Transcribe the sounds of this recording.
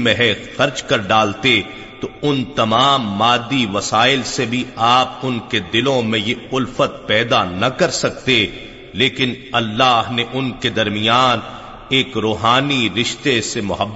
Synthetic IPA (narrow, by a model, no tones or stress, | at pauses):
mẽɦɛxɐɾd͡ʒkɐɾɖaːlt̪e | t̪oʊnt̪ɐmaːmːaːd̪ːiʋɐsaːɪlsebʱiaːp̚ʊnked̪ɪlõmẽjeʊlfət̪̚pɛːd̪anɐkɐɾsɐk̚t̪e | leːkɪnɐlːaːɦneʔʊnked̪ɐɾmɪjaːn | eːkɾoːɦaːniɾɪʃt̪esemʊɦəbː